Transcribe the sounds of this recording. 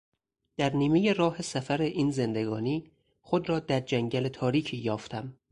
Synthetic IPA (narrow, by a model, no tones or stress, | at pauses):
d̪̥æɾniːme̞je̞rɒːhe̞sæfæɾe̞ʔiːnze̞nd̪e̞ɡɒːniː | χod̪ɾɒːd̪æɾd͡ʒæŋɟælet̪ʰɒːɾiːcʰiːjɒːft̪ʰæm